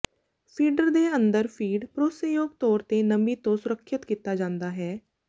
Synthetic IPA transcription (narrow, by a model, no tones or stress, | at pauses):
pʰiːɖəɾd̪eːənd̪əɾpʰiːɖpɾoːsəjoːɡ̚t̪ɔːɾt̪eːnəmiːt̪õsʊɾəkʰːɪt̪kiːt̪aːd͡ʒãːnd̪aːɦɛː